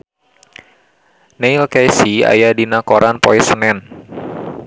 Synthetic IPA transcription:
neilkajsia̰jadinakoɾʔanpɔ̰ɛsənɛn

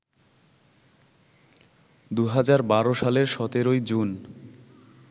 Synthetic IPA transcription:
d̪uɦad͡ʑaɾbaɾoʃaleɾʃɔt̪eɾojd͡ʑun

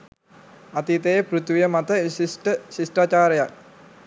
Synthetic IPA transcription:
at̪it̪ejepɾut̪ʋijəmat̪əsisʈəsisʈraːt͡ʃaːɾəjak̚

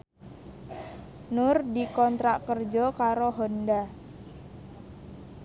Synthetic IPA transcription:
nʊrdikɔnt̪ɾaʔkərd͡ʒɔkaɾoɦonda

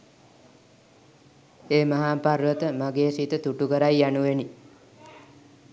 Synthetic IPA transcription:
eːmaɦaːpaɾʋət̪əmaɡeːsit̪ət̪uʈukəɾajːanuʋeni

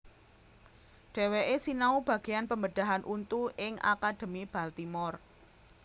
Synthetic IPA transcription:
ɖ̥e̤weʔesinaub̥ä̤ɡ̥ejanpəmbəd̥a̤ɦanʔunt̪uʔɪŋʔa̰kad̪̥ə̤mib̥a̤lt̪imɔr

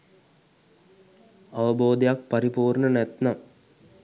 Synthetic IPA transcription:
ɐʋɐboːd̪jaːk̚pɐɾipuːrnɐnet̪nɐm

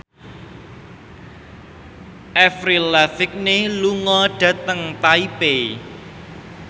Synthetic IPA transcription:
ʔɛfɾilɛfɪk̚neluŋɔɖ̥ä̤t̪əŋt̪aipe

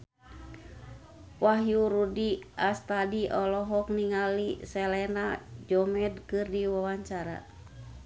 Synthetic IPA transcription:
waɦjuɾudiʔast̪adiʔɔlɔɦɔk̚niŋalisɛlɛnad͡ʒɔmɛdkɨrdiwawaɲt͡ʃaɾa̰

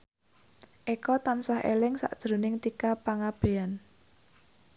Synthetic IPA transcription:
ʔekɔt̪ansahḛlɪŋsa̰ʔd̥ʒ̥ɾo̤nɪŋt̪ikapaŋab̥ean

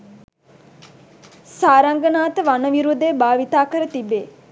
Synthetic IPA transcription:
saːɾaŋɡənaːt̪əʋanəʋiɾud̪eːbaːʋit̪aːkəɾət̪ibeː

